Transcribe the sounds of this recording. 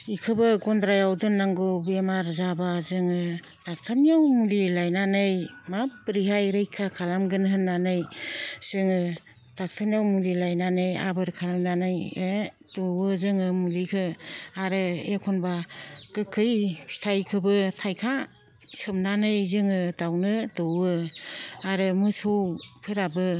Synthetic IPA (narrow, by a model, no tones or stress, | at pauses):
ikʰɯbɯɡɔndɾajawdɯnːaŋɡɔbemaɾzabazɯŋɯ | tak̚tʰanijawmulilajnanɯjmapːɾiɦajɾɯjkʰakʰalamɡɯnɦɯnːanɯjz̥ɯŋɯ | tak̚tʰanjawmulilajnanɯja̰bɯɾkʰalamnanɯje | dɯwɯzɯŋɯmulikʰɯaɾɯekʰɔnbakɯkʰɯji̥tʰajkʰɯbɯtʰajkʰa | sɯmnanɯjzɯŋɯdawnɯdɯwɯ | aɾɯmɯsowpʰɯɾabɯ